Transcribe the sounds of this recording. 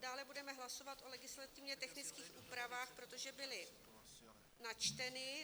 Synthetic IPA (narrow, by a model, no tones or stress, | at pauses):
daːlɛbudɛmɛɦlaso̞vat̪ʔo̞lɛɡɪslat̪ɪvɲɛt̪ɛxnɪt͡skiːxʔuːpɾavaːxpɾo̞t̪o̞ʒɛbɪlɪ | nat͡ʃt̪ɛnɪ